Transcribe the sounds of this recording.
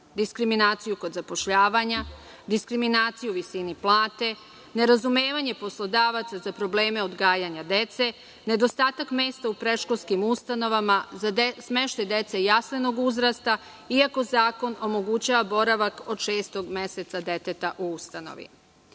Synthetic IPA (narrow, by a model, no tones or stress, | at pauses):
d̪iskɾiminaːt̪sijuko̞d̪zapo̞ʃʎaːʋaɲa | d̪iskɾiminaːt̪sijuʋisiniplˠaːt̪e̞ | ne̞ɾazumeːʋaɲe̞po̞slˠo̞d̪aːʋat̪sazapɾo̞ble̞ːme̞o̞d̪ɡaːjaɲad̪et̪se̞ | ne̞d̪o̞st̪aːt̪akmeːst̪aupɾe̞ʃko̞lskimust̪ano̞ʋamasme̞ʃt̪ajd̪e̞t̪sejasleno̞ɡuzɾast̪a | iako̞zaːko̞no̞mo̞ɡut͡ɕaːʋabo̞ɾaʋako̞d̪ʃeːst̪o̞ɡmeset̪sad̪e̞t̪e̞t̪aʔuust̪ano̞̰ʋḭ